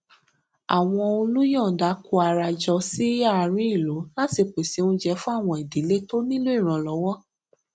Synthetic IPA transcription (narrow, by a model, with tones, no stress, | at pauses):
a̰˨w̃ɔ̃˧o˧lu˦jɔ̃˦˨da˨˦ku˧˦a˧ɾa˧d͡ʒɔ˧si˦a˦˨ɾ̃ĩ˦i˦˨lo˨˦la˦ti˧k͡pe˨si˨˦ũ˧d͡ʒɛ˧fũ˦a˦˨w̃ɔ̃˧i˨di˨˦le˦to˦nĩ˦lu˦i˦˨ɾ̃ã˧lɔ˨˧˦wɔ˦